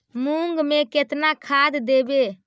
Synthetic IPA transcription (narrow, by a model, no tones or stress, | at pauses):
muŋɡmeket̪nakʰad̪d̪ebe